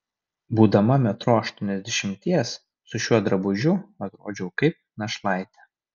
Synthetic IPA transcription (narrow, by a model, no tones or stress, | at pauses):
buːd̪ɐmɐmʲɛt̪ɾoːɐʃt̪ɔːnʲɛzʲd̪ʲɛʃʲɪmʲt̪ʲiɛs | sʊʃʲuɔd̪ɾɐbʊʒʲʊɐt̪ɾo̰ːd͡ʒʲɛʊkɐɪp̚nɐʃlˠɑɪt̪ʲɛ